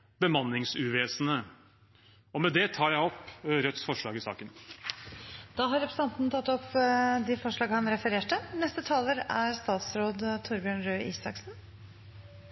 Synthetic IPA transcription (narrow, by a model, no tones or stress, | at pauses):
bəmɑnːɪŋsʉːʋeːsnə | ɔmɛd̪ɛt̪ʰɑːɾjæɪɔpːɾœt̪sfɔʂɭɑːɡɪsɑ̰ːkən | d̪̥ɑːɦɑɾɛpɾəsɑnt̪nt̪ʰɑt̪ːɔpːd̪ɪfɔʂɭɑːɡəhɑnɾɛfəɾeːʈənɛst̪ət̪ʰɑːləɾæɾst̪ɑːt̪sɾoːd̪t̪ʰʊɾbjøːɳɾøːʔiːsɑksn